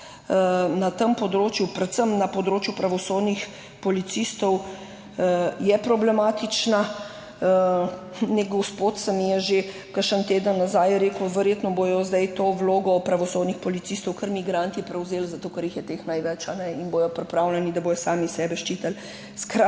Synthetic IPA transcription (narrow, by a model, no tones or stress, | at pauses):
nat̪əmpɔd̪ɾoːt͡ʃjupɾɛt̪səmnapɔd̪ɾoːt͡ʃjupɾaʋɔsoːd̪nix | pɔlit̪sist̪ɔw | jɛpɾɔblɛmaːt̪it͡ʃna | nɛɡɔwspot̪səmijɛʒe | kəɾʃənt̪eːd̪ənːazajɾeːkwʋɛɾjet̪nɔbojɔzd̪ɐjt̪oːwloːɡɔpɾaʋɔsod̪nixpɔlit̪sist̪ɔwkəɾmiɡɾant̪ipɾɛwzeːlzat̪oːkəɾjixjɛt̪exnajʋɛt͡ʃanɛinboːjɔpɾipɾawlɛnid̪aboːjɔsaːmisɛːbɛʃt͡ʃit̪əl | skɾa